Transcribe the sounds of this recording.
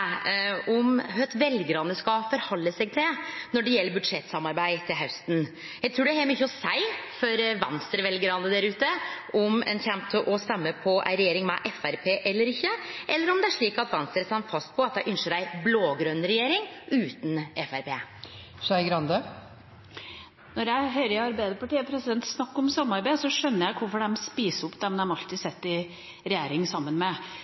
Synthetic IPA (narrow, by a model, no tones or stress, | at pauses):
ɔmɦœt̪ʋɛlɡɾɑnd̪əskɑfɔɾhɔlːəsɛɡ̚t̪ʰɪnɔɖɛjɛlːəɾbʉd̪ʂɛt̪ːsɑmɑɾbæɪt̪ʰɪlɦœʉst̪n̩ | jæɪt̪ʰɾuːɖɛæhɛlmyçːəɔsæɪfɔɾʋɑ̰nst̪ɾəʋɛlɡɾɑnd̪əd̪æɾʉːt̪əʔɔmɛ̰nçɛmp̚t̪ʰəʔɔst̪ɛmːəpʰɔʔæ̰ɪɾɛjeːɾɪŋmɛ̰ʔɛfæɾpʰeːʔɛlːəɾɪçːəʔɛlːəɾɔmd̪ɛæʂɭiːkɑt̪ʋɑnsəɾst̪ɑnfɑst̪̚pʰɔɑt̪̚d̪æɪʔʉnʂəɖæɪbloːɡɾœnɾɛjeːɾɪŋʉːt̪n̩ɛfæɾpʰeː | ʂɑɪɡɾɑnd̪ə | nɔɾjæɪɦœʏɾəɪɑɾbæɪd̪əpɑʈiːəpʰɾɛsɪd̪ɛnt̪snɑkːɔmsɑmːɑɾbæɪsɔʂœnːəjæɪkʰʊɾfɔɖɛmspiːsəɔpːd̪ɛmd̪ɛmɑlt̪ɪsɛt̪ːɪ | ɾɛjeːɾɪŋəsɑmːənmɛ